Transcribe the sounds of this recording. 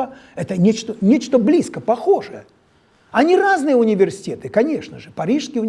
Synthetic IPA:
əɛt̪ənʲet͡ɕt̪ənʲet͡ɕt̪əblʲiskəpɐxo̞ʐɨjə | ɐnʲiraznɨjəʊnʲɪvʲɪrsʲɪ̥tʲe̞t̪ɨkɐnʲe̞ʂnəʐɨpɐɾʲiʂskʲɪjʊ

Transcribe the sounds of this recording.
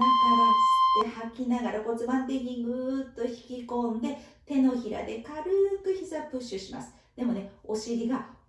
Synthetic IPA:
nikaɾɯsɨ̥t̪ːe̞hakʲːinaɡaɾako̞t͡sɨbãnt̪̬e̞kʲiɲiɡɯ̟t̪ːo̞çi̥kʲikõ̞nd̪e̞ | t̪e̞no̞çiɾa̰d̪e̞kaɾɯ̟kɯ̟çizapɯ̟ɕɨɕima̰sɨ̥ | d̪̥e̞mo̞ne̞o̞ɕiɾʲiɡa

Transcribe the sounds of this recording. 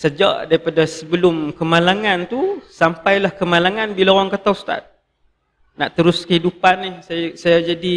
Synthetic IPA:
səd͡ʒa̰ʔdaɾipadasəbəlʊmkəmalaŋant̪usampajlahkəmalaŋanbilaowaŋkat̪awst̪a̰t̪̚ | naʔt̪əɾʊskəhidupanːɪhsasajad͡ʒadi

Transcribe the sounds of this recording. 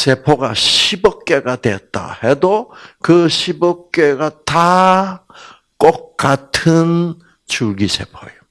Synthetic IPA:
sepʰoɡaɕʰibʌk͈eɡadweʌt̚t͈a̰hedokɯɕʰibʌk͈eɡata | k͈ok̚k͈ːatʰɯn | t͡ɕuɭɡisʰepʰoejo

